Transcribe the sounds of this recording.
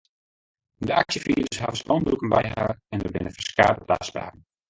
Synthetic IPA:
dəaksjəfiːɾəsɦa̰vəspɔnbrukənbɛjɦaːrɛndərbɪnəfəskaːdəpla̰ːsba̰ːn̩

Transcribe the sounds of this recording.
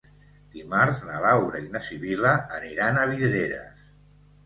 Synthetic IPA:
d̪̥imaɾznaβawɾainasiβiləːniɾanəβ̞iðɾeɾə̰s

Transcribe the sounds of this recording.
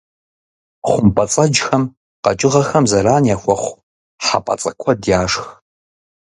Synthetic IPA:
χʷʊmpʼɐt͡sʼɐd͡ʒxɐm | qɐ̰t͡ʃʼɪʁɐxɐmzɐɾaːnjaxʷɔχʷ | ħa̰pʼɐ̰t͡sʼɐkʷʰɔdjaːʂx

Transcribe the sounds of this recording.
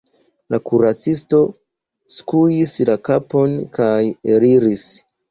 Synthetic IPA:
lakuɾat͡sisto̞ | skujislakapo̞nkajeɾiɾis

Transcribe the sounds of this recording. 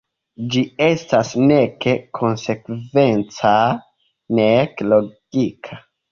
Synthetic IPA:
d͡ʒie̞stasne̞ke̞kʰo̞nse̞kve̞nt͡sa | nekloɡ̥ikʰa

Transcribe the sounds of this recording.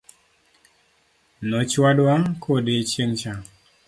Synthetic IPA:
nɔt͡ʃwadwakʰodet͡ʃeŋt͡ʃa

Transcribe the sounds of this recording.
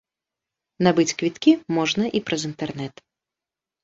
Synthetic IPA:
nabɨt͡sʲkvʲit̪kʲimɔʐnɐʔipɾɐzint̪ɛrnɛt̪

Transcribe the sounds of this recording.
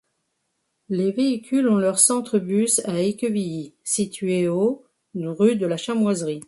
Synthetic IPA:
leveikʲylɔ̃lœʁsɑ̃t̪χəbysaekʲøvijisit̪ɥeo | ʁyd̪əlaʃamwazʁi

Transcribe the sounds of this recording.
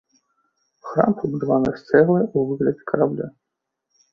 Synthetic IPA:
xɾa̰mpɐbud̪avanɨst̪sɛɣlˠɐuvɨɣlʲɐd͡zʲɛkɐɾablʲa̰

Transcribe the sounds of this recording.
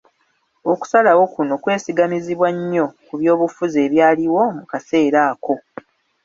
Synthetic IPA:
oku̥salawo̞kuno̞kwe̞ːsiɡamiziβwaɲːo̞kuβjo̞ːβufuze̞ːβjaːliwo̞mukase̞ːɾaːko̞

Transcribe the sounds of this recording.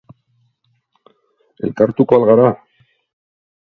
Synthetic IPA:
e̞̰lkaɾt̪uko̞alɣaɾa

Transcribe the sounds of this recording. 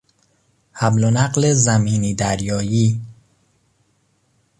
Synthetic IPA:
hæblonæɢlezæmiːniːd̪æɾjɒːjiː

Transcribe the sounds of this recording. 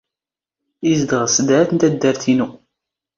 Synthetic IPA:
izd̪əʁsəd̪ʕæθənt̪æd̪ːəɾθinu

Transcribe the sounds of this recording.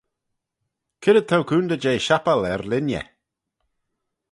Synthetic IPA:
kʰɪɾəd̪̚t̪ʰawkʰuːnd̪əd͡ʒeːʃapəlɛɾlɪnjɛ̰

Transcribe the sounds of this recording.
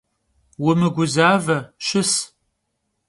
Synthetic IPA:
wʊmɨɡʷʊzaːvɐʃɪs

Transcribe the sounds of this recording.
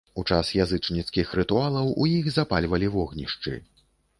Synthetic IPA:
ut͡ʂasjazɨt͡ʂnʲit̪skʲixɾɨt̪ualˠɐwʔujiɣzapalʲvɐlʲivɔɣnʲiʂt͡ʂɨ̰

